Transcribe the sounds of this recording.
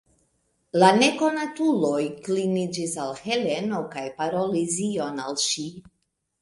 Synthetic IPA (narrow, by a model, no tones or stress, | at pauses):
lane̞ko̞natulo̞jklinid͡ʒisalhe̞le̞no̞kajpaɾolizio̞nalʃi